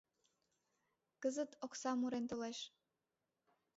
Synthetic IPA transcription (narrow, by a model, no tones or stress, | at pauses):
kəzət̪oksɑmuɾent̪oleʃ